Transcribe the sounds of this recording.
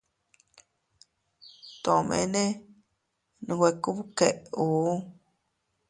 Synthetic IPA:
t̪o˨mḛ̃˧˦nẽ˦ | nũ˧˨we˧ku˦βu˦ke˨ʔu˨˦

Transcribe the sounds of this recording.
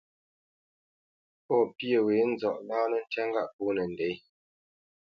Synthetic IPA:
pɔː˦˨pjə˦˨we˨˦n̩˦zɔ˨ʔlaː˦nə˦˨n̩˦tɛ˦ŋ˦ɡa˦ʔpuː˦nə˨n̩˨de˨˦j

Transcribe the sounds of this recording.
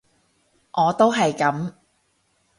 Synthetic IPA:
ʔɔː˨˧t̪o˥wɦɐ˨jkɐ˨˥m

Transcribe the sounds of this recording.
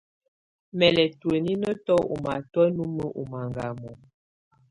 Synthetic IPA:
mɛ˨lɛ˨twe˨ni˦nə˦tɔ˦u˨ma˨tɔ˦nu˦mə˦ʔu˨ma˨ŋɡa˨mɔ˨

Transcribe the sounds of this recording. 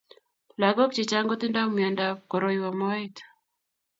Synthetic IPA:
la˨ɡɔ˦kt͡ʃe˨t͡ʃa˦ŋɡɔ˦t̪ɪ˦nda˦mia˨nda˨pkɔ˨ɾɔ˨iwa˨mɔ˦it̪

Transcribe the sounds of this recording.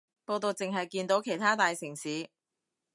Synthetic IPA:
po˧wt̪o˨˧wt͡sɪ˨ŋɦɐ˨jkiː˧nt̪o˨˥wkʰe˨˩jt̪ʰaː˥t̪aː˨jsɪ˨˩ŋsiː˨˥

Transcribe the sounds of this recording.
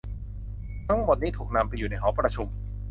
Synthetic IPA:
t̪ʰa˥mo˨˩niː˥t̪ʰuː˨˩k̚na˧mpa˧juː˨˩na˧jɦɔː˩˦˥pɾa˧t͡ɕʰu˧m

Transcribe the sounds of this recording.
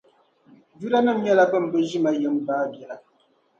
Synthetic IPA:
d͡ʒu˦ɾa˦nɨ˦m˦ɲɛ˦la˦bə˦˨m̩˨bɛ˦ʒi˦ma˨jɛ˦m˦baː˦bjɛ˨ʔa˨

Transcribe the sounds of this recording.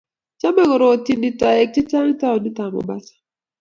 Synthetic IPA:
t͡ʃa˦mɛ˦kɔ˨ɾɔ˨ti˨ndi˨ta˨e˨k̚ti˦ta˦ŋi˦ta˦ɔ˨ni˦ta˨mɔ̰˨ba˦sḁ˦

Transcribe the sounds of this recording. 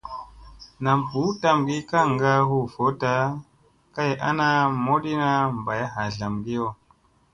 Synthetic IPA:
na˨mpu˨˦ta˦mɡi˦ka˦ŋɡa˦ɦu˦˨fo˨˦ta˦ | ka˦jʔa˦na˦mo˦ɗi˦na˦m˨ba˨ja˦ɦa˨ɮa˨mɡi˦jo˦˨

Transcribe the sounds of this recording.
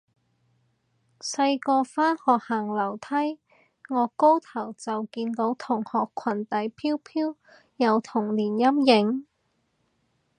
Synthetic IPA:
sɐ˧jkɔː˧faː˥nhɔː˨k̚hɐ˨˩ŋlɐ˨˩wt̪ʰɐ˥j | ŋɔː˨˧ko˥wt̪ʰɐ˨˩wt͡sɐ˨wkiː˧nt̪o˨˥wt̪ʰʊ˨˩ŋhɔː˨kʰːɐ˨˩nt̪ɐ˨˥jpʰiː˥wpʰiː˥w | jɐ˨˧wt̪ʰʊ˨˩ŋliː˨˩njɐ˥mjɪ˨˧˥ŋ

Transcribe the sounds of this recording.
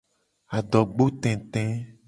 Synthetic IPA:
a˨ɖɔ˨ɡ͡bo˦t̪ɛ̃˨t̪ɛ̃˦

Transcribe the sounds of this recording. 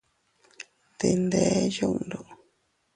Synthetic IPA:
t̪e˧nd̪e˧˦ju˦ʔnd̪o˨

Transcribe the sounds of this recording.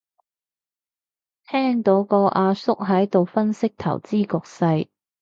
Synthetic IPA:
t̪ʰɛː˥ŋt̪o˨˥wkɔː˧ʔaː˧sʊ˥k̚ɦɐ˨˥jt̪o˨wfɐ˥nsɪ˥k̚t̪ʰɐ̰˨˩wt͡siː˥kɔː˧k̚sɐ˧j

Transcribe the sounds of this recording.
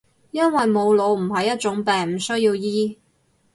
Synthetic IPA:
jɐ˥nwɐ˨jmo˨˧wlo˨˧wm̩˨˩ɦɐ˨jːɐ˥t̚t͡ʃʊ˨˥ŋpɛː˨˩ŋm̩˨˩sɵ˥ɥjiː˧wjiː˥

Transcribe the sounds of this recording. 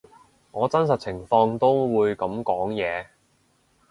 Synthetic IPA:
ŋɔː˨˧t͡sɐ˥nsɐ˨t̚t͡sʰɪ˨˩ŋfɔː˧ŋt̪o˥wwuː˨˧jkɐ˨˧˥mkɔː˨˥ŋjɛː˨˧

